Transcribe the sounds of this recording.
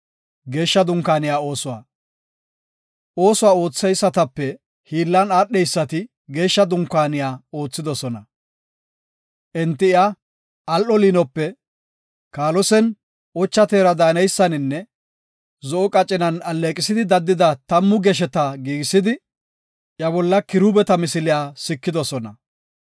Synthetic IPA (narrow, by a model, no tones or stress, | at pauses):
ɡe̞ːʃːɐd̪ʊŋkːaːnɪjaːo̞ːsʊwa̰ː | ʔo̞ːsʊwaːo̞ːt͡sːɛjsːɐt̪ɐpːɛ | hiːlːɐnaːɗːɛjsːɐt̪ɪ | ɡe̞ːʃːɐd̪ʊŋkːaːnɪjaːoːt͡sːɪd̪ɔsɔnɐ | ʔɛnt̪ːɪɪa | ɐlʔɔliːnɔpːɛ | kaːlɔsɛn | ɔt͡ʃːɐt̪eːɾɐd̪aːnɛjsːɐnɪnːɛ | zɔʔɔkʼɐt͡ʃʼːɪnɐnɐlːeːkʼɪsɪd̪ɪd̪ɐd̪ːɪd̪ɐt̪ɐmːʊɡɛʃ̬ɛt̪ɐɡiːɡɪsɪd̪ɪ | ʔjɐbɔlːɐkɪɾuːbɛt̪ɐmɪsɪlɪjaːsɪkːɪd̪ɔsɔnɐ̰